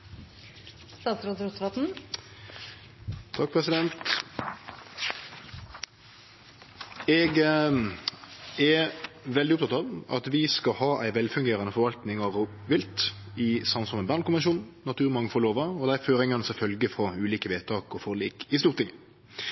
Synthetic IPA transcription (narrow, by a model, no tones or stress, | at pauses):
st̪ɑːt̪sɾoːt̪ɾʊt̪ʋɑt̪n̩ | t̪ʰɑk̚pʰʁɛsɪd̪ɛnt̪ | ɛɡ | ɛʋɛld̪ɪʊp̚t̪ʰɑt̪ɑʋɑ̰t̪ʋɪskɑhɑːʔæɪʋɛlfʉŋɡeːɾɑnəfɔɾʋɑlt̪nɪŋɑʋ | ʋɪlt̪ɪsɑnsɔmɛnbæʁnkʊmɛnʃuːnnɑt̪ʰʉːɾmɑŋːəfɔʁloːʋəɔd̪ɛæføːɾɪŋɑnəsɔfœlɡəfʁɔʉːliːkəʋeːt̪ʰɑːkɔfɔʁliːkɪst̪uːʁt̪ʰɪŋə